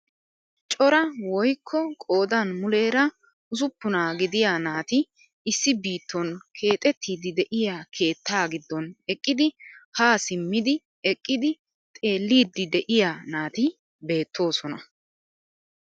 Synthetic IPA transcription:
t͡ʃʼɔɾɐwɔjkʰːɔkʼo̞ːd̪ɐnmʊle̞ːɾɐ | ʊzʊpːʊnaːɡɪd̪ɪjaːnaːt̪ɪ | ɪsːɪbiːt̪ːɔnkʰe̞ːt̪ʼɛt̪ʰːiːd̪ɪd̪ɛʔɪjaːkʰe̞ːt̪ʰːaːɡɪd̪ːɔnɛkʼːɪd̪ɪhaːsɪmːɪd̪ɪ | ɛkʼːɪd̪ɪ | t̪ʼe̞ːlːiːd̪ːɪd̪ɛʔɪjaːnaːt̪ɪ | be̞ːt̪ʰːo̞ːsɔnɐ

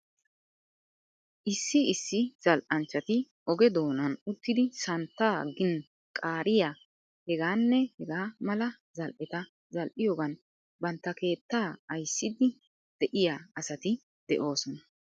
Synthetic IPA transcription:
ʔɪsːɪɪsːɪz̥ɐlʔɐnt͡ʃːɐt̪ɪ | ʔɔɡɛd̪o̞ːnɐnʊt̪ːɪd̪ɪsɐnt̪ːaːɡɪn | kʼaːɾɪjaː | hɛɡaːnːɛhɛɡaːmɐlɐ | zɐlʔɛt̪ɐ | zɐlʔɪjoːɡɐn | bɐnt̪ːɐke̞ːt̪ːaːɐjsːɪd̪ɪ | d̪̥ɛʔɪjaːɐsɐt̪ɪ | d̪̥ɛ̰ʔo̞ːsɔnɐ

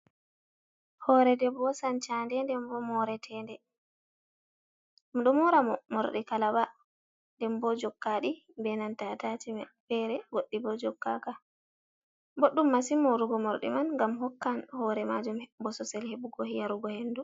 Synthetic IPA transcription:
hɔɾɛdɛbɔsant͡ʃandɛndɛmbɔmɔɾɛtʰɛndɛ | mɗɔmɔɾamɔmɔɾɗikalaba | ndɛmbɔd͡ʒɔkːaɗi | bɛnantatatimɛfɛɾɛɡoɗːibɔd͡ʒɔkːa̰ka | boɗːumːasimɔɾuɡɔmɔɾɗḭmanŋɡamɦɔkːanhɔːɾɛmad͡ʒumbɔsɔsɛlhebuɡɔjaɾuɡɔhenːdu

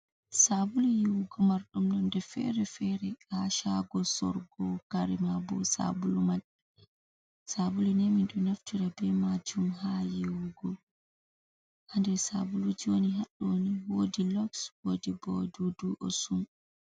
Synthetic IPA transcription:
sabulujiwuɡɔmaɾɗumnɔndɛfɛ̰ɾɛfɛɾɛaʃaɡɔsɔ̰ɾɡɔkaɾimabɔ̰sa̰bulumaɗɛ | sabulunɛminɗunaftiɾabɛmad͡ʒumhajiwuɡɔ | ʔandɛsa̰bulud͡ʒoniɦaɗːoniwodilɔkswodibɔ̰duduʔɔsum

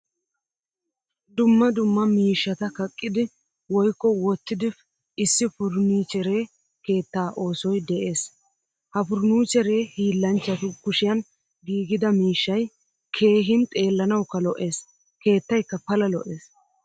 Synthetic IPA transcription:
d̪ʊmːɐd̪ʊmːɐmiːʃːɐt̪ɐkɐkʼːɪd̪ɪ | wɔjkːɔwɔt̪ːɪd̪ɪf | ɪsːɪfʊɾniːt͡ʃɛɾe̞ː | ke̞ːt̪ːaːʔo̞ːsɔjd̪ɛʔe̞ːs | hɐfʊɾnuːt͡ʃɛɾe̞ːhiːlːɐnt͡ʃːɐt̪ʊkʊʃɪjɐn | ɡiːɡɪd̪ɐmiːʃːɐj | kʰe̞ːɦɪnt̪ʼe̞ːlːɐnɐwkːɐlɔʔe̞ːs | ke̞ːt̪ːɐjkːɐpɐlɐlɔʔe̞ːs

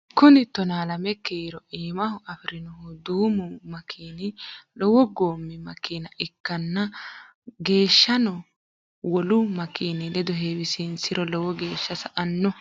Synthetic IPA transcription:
kʊnɪt̪ːɔnaːlɐmɛkːiːɾɔʔiːmɐhʊʔɐfɪɾɪnɔhʊd̪uːmʊmɐkʰiːnɪlɔwɔɡo̞ːmːɪmɐkiːnɐʔɪkːɐnːɐ | ɡe̞ːʃːɐnɔ | wɔlʊmɐkiːnɪlɛd̪ɔɦeːwɪsinsɪɾɔlɔwɔɡe̞ːʃːɐsɐʔɐnːɔ

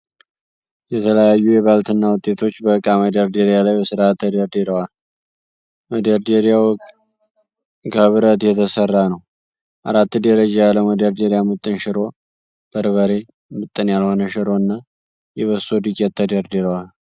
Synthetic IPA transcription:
jɛt̪ʰələjajːujɛβalt̪ɨnːawʊt̪ʼːe̞t̪ʰo̞t͡ʃːbəkʼːaməd̪əɾd̪eɾijalajbəsɨɾat̪ʰːəd̪əɾd̪iɾəwal | məd̪əɾd̪eɾijaw | ɡəβɨɾət̪jɛt̪ʰəsərːanəw | ʔa̰ɾat̪ːd̪əɾəd͡ʒajalːəwməd̪əɾd̪eɾijamɨt̪ʼːɨnʃɪɾo̞ | b̥əɾβəɾe̞ | mɨt̪ʼːɨnjalho̞nəʃɪɾo̞ɨnːa | jɛβəsod̪ɨkʼːɛt̪ʰːəd̪əɾd̪iɾəwal

